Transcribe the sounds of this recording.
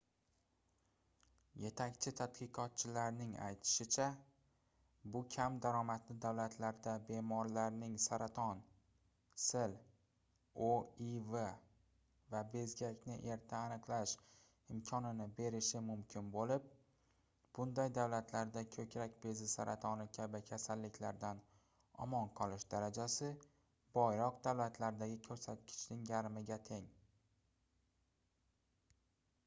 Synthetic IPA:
je̞t̪ʰakʲt͡ʃʰɪt̪ʰat̪qʰɨqʰɒt̪̚t͡ʃʰɪlaɾnɪŋa̰jt̪ʰɪ̥ʃɪt͡ʃʰa | bʊkʲʰamd̪aɾɒmat̪lɪd̪awlat̪ʰlaɾd̪abe̞mɒɾlaɾnɪŋsaɾat̪ʰɒn | sɪl | oive | vabe̞zɡʲakʲnɪʔe̞ɾt̪ʰaːnɨqlˠaʃ | ɪmkʲʰɒnɪnɪbe̞ɾɪʃɪmʊmkʲʰɪnbolɪp̚ | b̥ʊnd̪ajd̪awlat̪ʰlaɾd̪akʲʰɵkʲɾakʲbe̞zɪsaɾʔat̪ʰɒnɪkʲʰabɪkʲʰasalːɪkʲlaɾd̪an | ɒ̰mɒnqʰɒlɪʃd̪aɾad͡ʒasɪ | bɒjɾɒqd̪awlat̪ʰlaɾd̪aɡʲɪkʲʰɵɾsat̪̚kʲʰɪ̥t͡ʃʰnɪŋjaɾmɪɡʲat̪ʰe̞ŋ

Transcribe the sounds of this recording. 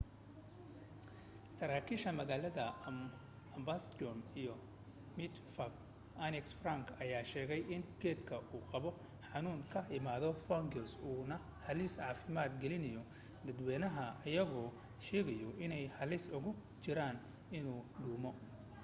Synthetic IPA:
sɐɾaːkʰiːʃɐmɐɣaːlɐðɐ | ɐmbast̪ɔnijɔ | mɪt̪fɐb | ʔɐnɛksfraŋkʰɐjaːʃɛːɣɛjʔɪnɡɛːd̪kʰɐʔuːqɑβɔ | ħɑnuːŋkʰɐɪmaːðɔfɔŋɡɔsuːnɐ | hɐlɪsʕɑːfɪmaːd̪ɡɛlɪnɐjɔ | d̪ɐd̪wɛːnɐɦɐɐjɐɣɔː | ʃɛːɣɐjɔɪnɛjhɐlɪsʊɣʊ | t͡ʃɪɾaːn | ɪnuːɖuːmɔ

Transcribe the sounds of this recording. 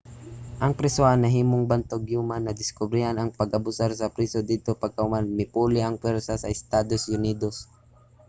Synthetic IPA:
ʔɐŋpɾɛsoʔɐnːɐɦiːmoŋbɐnt̪oɡjuːmanɐd̪ɪskʊbɾɪhanɐŋpɐɡʔɐbʊsaɾsɐpɾiːsod̪id̪̚t̪opɐɡ̚kɐhʊmanmɪpuːlɪʔɐŋpwɛɾsasɐɪst̪aːd̪osʔʊniːd̪os

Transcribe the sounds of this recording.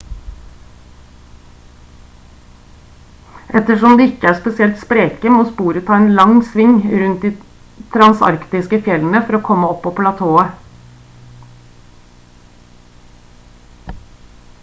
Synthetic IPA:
ʔɛt̪əʂɔmd̪iːɪkəæːspɛsɪɛlt̪spɾeːkəmoːspuːɾət̪ʰɑːeːnlɑŋsʋɪŋɾʉnt̪̚d̪iː | t̪ʰɾɑnsɑ̰ɾkt̪ɪskəfjɛlən̩əfɔɾoːkʰɔmːəɔpːoːpʰlɑt̪ʰoːə

